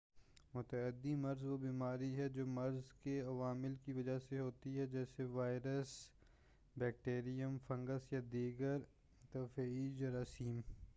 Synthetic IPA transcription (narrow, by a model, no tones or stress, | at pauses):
mʊt̪əəd̪imɐɾzʋobiːmaːɾiɦɛd͡ʒoːmɐɾzkeɐʋaːmɪlkiʋɐd͡ʒaseɦoːt̪iɦɛd͡ʒɛːseʋaːɪɾəs | bɛːk̚ʈeːɾijəmfɐ̃ŋɡəsjad̪iːɡəɾ | t̪ɐfiːd͡ʒəɾaːsiːm